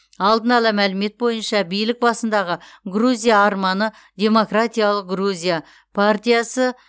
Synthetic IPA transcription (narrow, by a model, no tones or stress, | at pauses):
ɑlˠd̪ənɑlˠɑmælɪme̞t̪̚bo̞jənʃɑbijlɪk̚bɑsənd̪ɑʁəɡruzʲijaːɾmɑnə | d̪ʲe̞mo̞krat̪ʲijalˠəq̚ɡruzʲija | pʰart̪ʲijasə